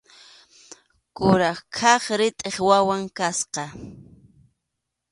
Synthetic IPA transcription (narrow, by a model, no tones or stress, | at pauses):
kʊɾɑχkʰɑχɾɪt̪ʼeχwawaŋkasqɑ